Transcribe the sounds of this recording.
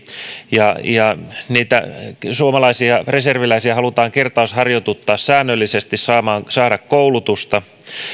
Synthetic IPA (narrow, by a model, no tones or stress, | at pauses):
jɑjɑniːt̪æ̰suomɑlɑisiɑreserʋilæisiɑhɑlut̪ɑːŋkert̪ɑushɑrjot̪ut̪ːɑːssæːnːølːisest̪issɑːmɑːŋsɑːɾɑkkoulut̪ust̪ɑ